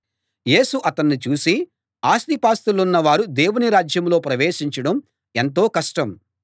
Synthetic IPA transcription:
je̞ːsuʔɐt̪ɐnːit͡ʃuːsi | aːst̪ipaːst̪ulunːɐʋaːɾud̪eːwuniɾaːd͡ʒjɐmlo̞ːpɾɐʋeːʂiɲt͡ʃɐɽɐm | e̞nt̪̬o̞ːkɐʂʈɐm

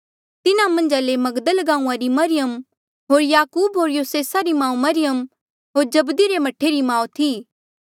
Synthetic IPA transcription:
t̪ɪnamɐ̃nd͡ʒalemɐɡd̪əlɡãːũãɾimɐɾɪjəm | ɦoːɾjaːkuːbɦoːɾjoːseːsaɾimãːũmɐɾɪjəm | ɦoːɾd͡ʒɐbd̪iɾemɐʈʰeɾimãːũt̪ʰiː

